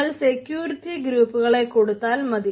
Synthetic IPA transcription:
ɐɭsekjuːɾitːiɡɾuːpːuɣɐɭeko̞ɽut̪ːaːlmɐði

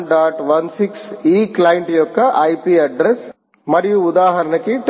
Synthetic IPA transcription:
ɖaːʈʋɐnsiksiːklɐjiɳʈjɔkːɐʔɐjpiɐɖɾes | mɐɾijuud̪aːɦɐɾɐnɐkːiʈ

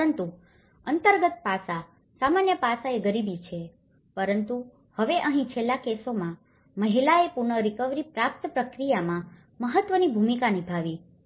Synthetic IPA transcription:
ənt̪u | ənt̪əɾɡət̪̚pasa | samanjəpasaeɡəɾibit͡ʃʰe | pəɾənt̪u | həʋeʔəɦĩt͡ʃʰelːakesomã | məɦilaepuɾɳəɾikəʋɾipɾap̚t̪pɾəkɾijamã | məɦət̪ʋənibʱumikanibʱaʋi

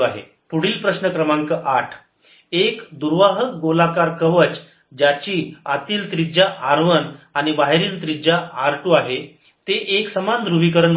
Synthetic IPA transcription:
aɦḛ | puɽ̤iːlpɾəsnəkɾəmaŋkəʔaʈʰ | ekd̪uɾʋaɦək̚ɡolakaɾkəʋət͡ɕ | d͡ʑat͡ɕiːat̪iːlt̪ɾid͡ʑaʔaɾʋənañibaɦeɾiːlt̪ɾid͡ʑaʔaɾʈuaɦe | t̪eʔeksəmand̪ɾubikəɾən

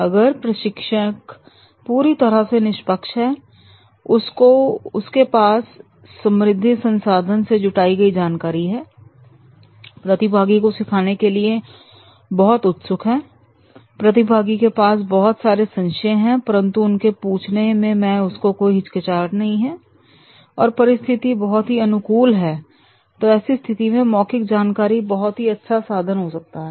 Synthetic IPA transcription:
ɐɡəɾpɾɐʃɪkʃək | puːɾit̪ɐɾəsenɪʃpəkʃɦɛː | ʊskoʊskepaːsː | ɐ̃mɾɪd̪ʱːisɐ̃nsaːd̪ʱənsed͡ʒʊʈaːiɡɐid͡ʒaːnkaːɾiɦɛː | pɾɐt̪ɪbʱaːɡikosɪkʰaːnekelie | bɐɦʊt̪ʊt̪sʊkʰɦɛː | pɾɐt̪ɪbʱaːɡikepaːsbɐɦɔt̪saːɾesɐ̃nʃẽɦɛ̃pɐɾə̃nt̪uʊnkepuːt͡ʃʰnemẽmɛ̃ːʊskokoːiɦɪt͡ʃkət͡ʃaːɾnɐɦĩɦɛː | ɔːɾpɐɾɪst̪ʰɪt̪ibɐɦɔt̪ɦiɐnʊkuːlɦɛː | t̪oɛːsist̪ʰɪt̪imẽmɔːkɪk̚d͡ʒaːnkaːɾibɐɦɔt̪ɦiɐtːʃʰasaːd̪ʱənɦosɐk̚t̪aɦɛː

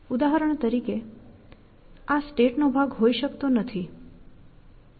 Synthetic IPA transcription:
ud̪aɦəɾəɳ̃t̪əɾike | asʈeʈnobʱaɡɦoiʃəkt̪onət̪ʰi

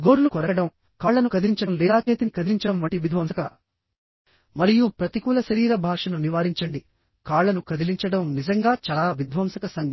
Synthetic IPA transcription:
ɡoːɾulukɔɾɐɐɽɐm | kaːɭːɐnukɐd̪iiɲt͡ʃɐɽɐmlɛːaːkeːt̪inikɐd̪iliɲt͡ʃɐɽɐmʋɐʈiʋid̪ʱʋɐmsɐkɐ | mɐɾijupɾɐt̪ikuːlɐʃɐɾiːɾɐbʱaːʂɐnuniʋaːɾiɲt͡ʃɐɳɖi | kaːɭːɐnukɐd̪iliɲt͡ʃɐɽɐmnizɐŋɡaːt͡ʃaːlaːʋid̪ʱʋɐmsɐkɐsɐŋ

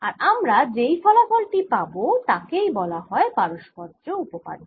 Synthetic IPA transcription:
aɾamɾad͡ʑejfɔlafolʈipabot̪akejbɔlaɦɔepaɾoʃkɔɾd͡ʑoupopa̰ɾo

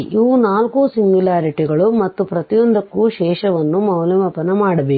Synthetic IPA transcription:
iʋunaːlkusimjulaːɾiʈiɡɐɭumɐt̪ːupɾɐt̪ijond̪ʱɐkːuʃɛːʃɐʋɐnːumɐwlɐmɐpɐnɐmaːɽɐbeː

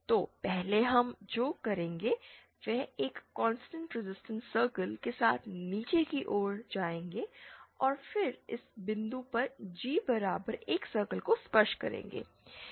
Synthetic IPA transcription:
t̪oːpɛɦleɦɐmd͡ʒoːkɐɾẽːŋɡe | ʋɛɦeːkːɔ̃ːnsʈə̃ɳʈɾɪzɪsʈə̃nsəːɾkəlkesa̰ːt̪ʰniːt͡ʃekiʔoːɾd͡ʒaːẽːŋɡeɔːɾfɪɾɪ̰sbɪ̃nd̪upɐɾd͡ʒiːbɐɾaːbəɾeːksəːɾkəlkospəɾʃkɐ̰ɾḛ̃ːŋ̆ɡḛː

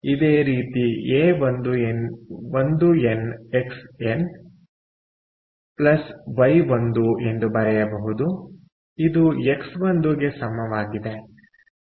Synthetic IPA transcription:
id̪eːɾiːt̪ieːʋond̪uenʋond̪ueneksen | plɐsʋɐjʋond̪ue̞nd̪ubɐɾɛjɐbɐɦud̪u | id̪ueksʋond̪uɡe̞sɐmɐʋaːɡid̪e

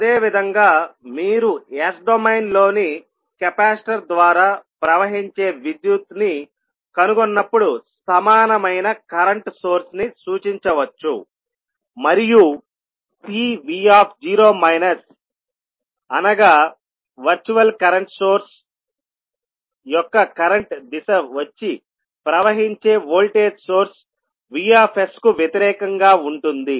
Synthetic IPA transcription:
ɐd̪eːʋid̪ʱɐŋɡaːmiːɾueːsɖomejnlo̞ːni | kɛpaːsʈɐɾd̪ʋaːɾaːpɾɐʋɐɦiɲt͡ʃe̞ːʋid̪jut̪ni | kɐnuɡonːɐpːuɽusɐmaːnɐmɐjnɐkɐɾɐɳʈsoːɾsnisuːt͡ʃiɲt͡ʃɐʋɐt͡ʃːṵ | mɐɾiju | piːʋiːaːpʰd͡ʒiːɾo̞ːmɐjnɐs | ɐnɐɡaː | ʋɐɾt͡ʃuʋɐlkɐɾɐɳʈsoːɾs | jɔkːɐkɐɾɐɳʈd̪isɐʋɐt͡ʃːi | pɾɐʋɐɦiɲt͡ʃe̞ːʋoːlʈeːd͡ʒsoːɾs | ʋiːaːpʰeskuʋjet̪iɾɛːkɐŋɡaːuɳʈund̪i

